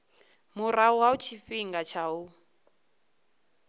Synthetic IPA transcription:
muɾauwaut͡ʃʰifiŋɡat͡ʃʰau

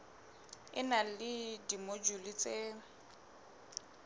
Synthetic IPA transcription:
ɪnalɪdimod͡ʒulit͡sʼe

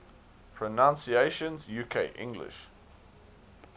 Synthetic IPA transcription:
pʰɹɔnãnsieɪʃə̃nzjuːkʰeɪʔɪ̰̃ŋɡlɪ̰ʃ

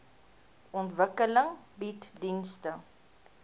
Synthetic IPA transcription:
ɔntvəkələŋbitdinstə

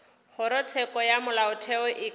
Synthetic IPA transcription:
χʊɾɔt͡sʰɛkɔjamʊlaʊtʰɛʊʔɪ

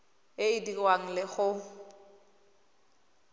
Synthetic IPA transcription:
ɪidirwaŋ̩lɪɣʊ

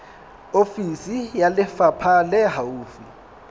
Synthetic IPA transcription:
ofisijalɪfapʰalɛɦauːfi

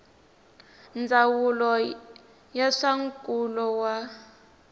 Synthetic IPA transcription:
nd͡zawulɔ | jaʂaŋkʼulɔwa

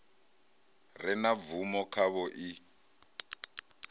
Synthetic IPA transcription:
rɪnavumɔkʰaβɔʔi

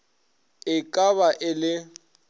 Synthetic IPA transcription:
ɪkʼaβaʔɪlɪ

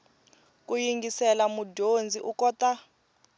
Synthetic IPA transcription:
k̬ʼujiŋɡʱisɛlamudʱond͡zʱiʔukɔta

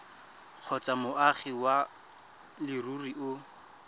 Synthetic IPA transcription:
q͡χʰɔt͡sʼamʊʔaχiwa | lɪruriʊ

